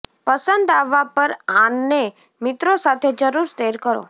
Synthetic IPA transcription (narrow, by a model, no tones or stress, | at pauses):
pəsənd̪aʋapəɾãnːe | mɪt̪ɾosat̪ʰed͡ʒəɾuɾseɾkəɾo̰